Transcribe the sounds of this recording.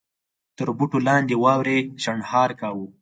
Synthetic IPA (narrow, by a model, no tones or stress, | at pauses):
t̪əɾbuʈolɑnd̪ewɑwɾeʃaɳhɑːɾkawu